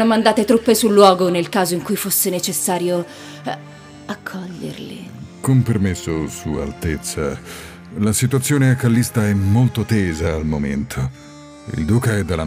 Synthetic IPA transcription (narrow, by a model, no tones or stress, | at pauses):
nomːand̪aːt̪et̪ɾupːesulːwɔːɡonelkaːzoiŋkujfosːenet͡ʃesːaːɾjo | akʰːɔʎːḛrlḭkompermesːosua̰lt̪et̪sːa̰ | lasit̪uat̪sːjoːneakalːist̪aɛmːolt̪ot̪eːzaːlmomḛnt̪ʰo | ḭld̪uːkaɛd̪ːalːa